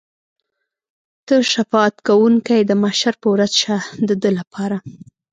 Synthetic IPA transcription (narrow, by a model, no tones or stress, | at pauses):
t̪əʃafɑt̪kawuŋkajd̪əmaʃaɾpəwɾazʃad̪əd̪əlapʰɑɾa